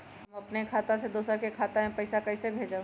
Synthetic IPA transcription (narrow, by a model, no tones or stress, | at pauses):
hɐmɐpnekʰaːt̪ãsed̪oːsəɾkekʰaːt̪aɦẽpɐɪsakɐɪsebʱeːd͡ʒa